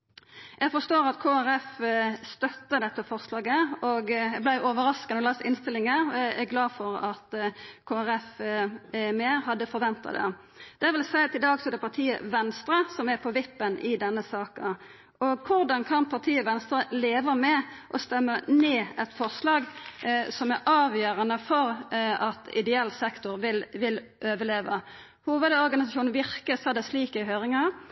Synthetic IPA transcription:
jæɪɡfɔst̪oːɾɑt̪kʰoːæɾɛfst̪œt̪ːəd̪ɛt̪ːəfɔʁslɑːɡəɔɡjæblæɪjʊʔoʋəɾɑskənɔlɑsɪnst̪ɪlɪŋəæɡlɑːfɔɾɑt̪kʰoːæɾɛf | meːɾɦɑd̪ːəfɔɾʋɛnt̪ɑ̰d̪ɛ̰ | d̪̥ɛʁʋɪlsæɪt̪ʰɪd̪ɑːɡsɔd̪ɛpʰɑʁt̪ʰiːə̰ʋɛnst̪ɾəsɔmæʁpʰɔʋɪpːənɪd̪ɛnːəsɑːkə | ɔɡkʰʊʁd̪ɑnkʰɑnpʰɑʁt̪ʰiːɔʋɛnst̪ɾəleːʋəmɛʔɔst̪ɛmːəneːɛt̪fɔʁslɑːɡsɔmæɾʔɑːʋjøːɾɑnəfɔɾɑt̪ɪ̰d̪ɛɛlsɛkt̪ʊʁʋɪlʋɪlʔøːʋəleːʋə | huːʋəd̪ɔʁɡɑnɪsɑʃuːnn̩ʋɪʁkəsɔd̪ɛsliːkɪɦøːɾɪŋɑ

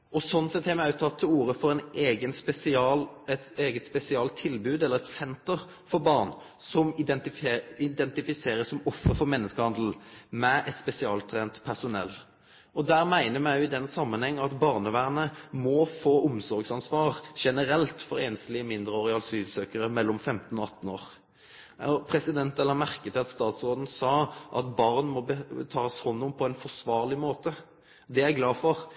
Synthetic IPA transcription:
ɔsɔnːsɛt̪hɛmæɪœʉt̪ʰːɑt̪ʰːɪluːɾəfɔɾɛnʔeːɡənspɛsɪɑlɛt̪eːɡət̪spɛsɪɑlt̪ʰːɪlbʉːd̪ɛlːəʁɛt̪sɛnt̪əʁ | fɔɾbɑʁn | sɔmɪɛt̪ɪɪd̪ɛnt̪ɪfɪseːɾəsɔmɔfːəfɔmɛnːəskəhɑnd̪l̩mɛʔɛt̪spɛsɪɑːlt̪ʰɾeːnt̪pʰæʁsʊnɛ̰lː | ɔd̪æːɾmæɪnəɾmæɪjʊɪd̪ɛnːsɑmːənhɛŋːəɑt̪bɑʁnəʋæːʁənəmɔfoːʔʊmsɔɾɡsɑnsʋɑːʁʃɛnəɾɛlt̪fɔɾeːnslɪmɪnd̪ʁəɔʁɪɑlsyːsøːkəʁəmɛlːɔmfɛmt̪n̩ɔɑt̪ːn̩oːʁ | ɔpʰɾɛsɪd̪ɛnt̪ɛlːəmæʁkət̪ʰɪlɑt̪st̪ɑːt̪sʁoːd̪n̩sɑːʔɑt̪bɑʁnmɔbət̪ʰɑːshɔnːʊmpʰɔɛnfɔʁsʋɑːʁlɪmoːt̪ə | d̪ɛæɾɡlɑːfɔʁ

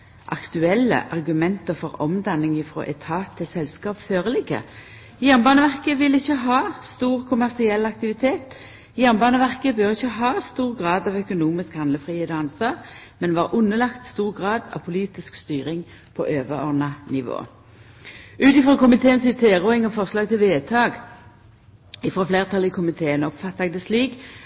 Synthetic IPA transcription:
ʔɑ̰kt̪ʉɛlːə̰ʔɑʁɡʉmɛnt̪əʁfɔʁɔmd̪ɑnːɪŋɪfʁo̰ːʔɛ̰t̪ʰɑːt̪ʰːɪlsɛlskɑːpføːʁəlɪɡə̰ | jæʁnbɑːnəʋæʁkəʋɪlːɪçəɦɑːst̪uːʁkʰʊmæʁsɪɛlːɑk̚t̪ɪʋɪt̪ʰeːt̪ | jæʁnbɑːnəʋæʁkəbœʁɪçːəɦɑːst̪uːʁɡʁɑːd̪ɑʋœkʊnuːmɪskhɑnləfʁiːheːd̪ɑnsʋɑːʁmɛnʋɑːʁʔʉnːəlɑkt̪st̪uːʁɡʁɑːd̪ɑ̰ʋpʰʊliːt̪ɪskst̪yːʁɪŋ | pʰɔ̰ʔøːʋəɔ̰ʁnɑnɪʋo̰ː | ʔʉːt̪ɪfʁɔːkʊmɪt̪ʰeːənsiːt̪ʰeːʁʊːɪŋɔfɔʁslɑːɡt̪ʰɪlʋeːt̪ʰɑːɡ | ɪfʁɔfleːʁt̪ʰɑlɪkʰʊmɪt̪ʰeːənɔpfɑt̪ːɑɡd̪əsliːɡ

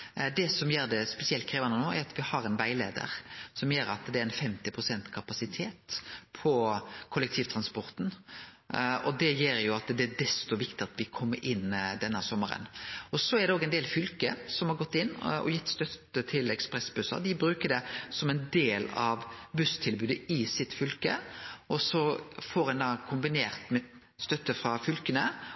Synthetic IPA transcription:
d̪ɛsɔmjeːɾd̪ɛspɛsɪɛlt̪̚kʰɾeːʋɑnənoːæ̰ɾɑt̪ʋɪhɑɾɛnʋæɪleːd̪ə̰ɾsɔmjeːɾɑ̰t̪d̪ɛæɾɛnfɛmt̪ɪpʰɾʊsɛnt̪kʰɑpɑsɪt̪ʰeːt̪pʰɔkʰʊlːɛk̚t̪ʰiːʋt̪ʰɾɑnspɔɾt̪n̩ | ɔd̪ɛjeːɾjʊɑt̪d̪ɛæd̪ɛst̪ɔʋɪkt̪ɪɑt̪ʋɪkʰɔmːə̰ɾʔɪnːd̪ɛnːəsɔmːəɾə̰nɔsɔɛʁd̪ɛoːɡɛɪnd̪eːlfʏlkəsɔmhɑɾɡɔt̪ːɪnːɔ̰jɪt̪ːst̪œt̪ːət̪ʰɪlɛkspʁɛsbʉsɑ̰ʁd̪ɪbɾʉːkəd̪ɛsɔmɛɪnd̪eːlɑʋbʉst̪ʰɪlbʉːd̪əɪsɪt̪fʏlkəʔɔsɔfoːɾɛnd̪ɑkʰʊmbɪneːʁt̪mɛ | st̪œt̪ːəfʁɑfʏlkənə

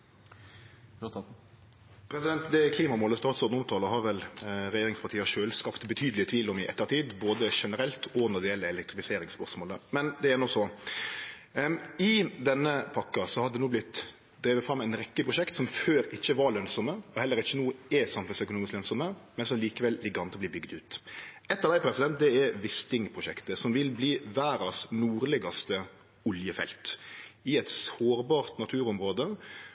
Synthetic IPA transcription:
pʰɾɛsɪd̪ɛnt̪d̪ɛkʰliːmɑmoːləst̪ɑːt̪sɔd̪nʊmt̪ʰɑːləɦɑɾʋɛlɾɛjeːɾɪŋspʰɑʁʈ̪ʰiːəʂøːlskɑpt̪bət̪ʰyːd̪lɪət̪ʰʋiːlʊmɪʔɛ̰t̪ːəɾt̪ʰiːd̪boːd̪əʂɛnəɾɛlt̪ʰɔnɔd̪ɛɪjɛlːəɛlɛkt̪ɾɪfɪseːɾɪŋspœʁsmoːləmɛnd̪ɛænɔsɔ | ɪd̪ɛnːəpʰɑkːɑsɔhɑd̪d̪ɛnuːblɪt̪ː | d̪ɾiːʋət̪fɾɑmːæɪnɾɛkːəpʰɾʊʃɛkt̪sɔmføːɾɪçːəʋɑɾɭœnsɔməɔhɛlːəɾɪçːənuːɛsɑmfʉlsœkʊnuːmɪsklœnsɔməmɛnsɔmliːkəʋɛlːɪɡɑnt̪ɔbliːbʏɡd̪ʉːt̪ | ɛt̪ːɑʋd̪æɪpʰɾɛsɪd̪ɛnt̪̚d̪ɛɛʋɪst̪ɪŋpʰɾʊʃɛkt̪əsɔmʋɪlbliːʋæːɾɑsnuːɾlɪɡɑst̪ə | ʊljəfɛ̰lt̪ɪɛt̪soːɾbɑːɾt̪nɑt̪ʰʉːɾɔmɾoːd̪ə

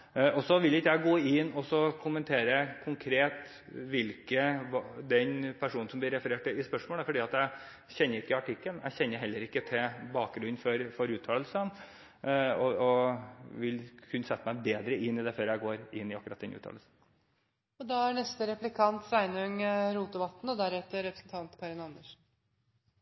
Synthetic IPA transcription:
ɔsɔʋɪlɪkːəjæɪɡoːɪnːɔsɔkʰʊmənt̪ʰeːɾəkʰʊŋkʰɾeːt̪ | ʋɪlkəʋɑd̪ɛnpʰæʂuːnn̩sɔmblɪɾɛfəɾeːʈɪɪspœʂmoːləɾfɔɖiːɑt̪jæɪ | çɛnːəɾɪkːəɑʈʰɪkːəlæ̰ɪçɛnːəɾɦɛlːəɾɪkːət̪ʰɛbɑːk̚ɡɾʉfɔɾfɔɾʉːt̪ʰɑːlsən | ɔɔʋɪlkʰʉnːəsɛt̪ːəmæɪbeːd̪ɾəʔɪnːɪd̪ɛføːɾjæɪɡoːɾɪnːɪɑkʉɾɑt̪̚d̪ɛ̰nʉ̰ːt̪ʰɑ̰ːlsn̩ | ɔd̪ɑæɳɛst̪əɾɛplɪkʰɑnt̪sæɪnœŋɾuːt̪əʋɑt̪ːn̩ɔd̪æɾɛt̪ːəɾɛpɾəsənt̪ʰɑnt̪kʰɑɾɪnɑnd̪əʂn̩

